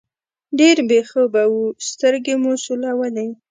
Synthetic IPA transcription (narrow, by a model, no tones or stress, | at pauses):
ɖeɾbexəbawust̪əɾɡemosulawalaj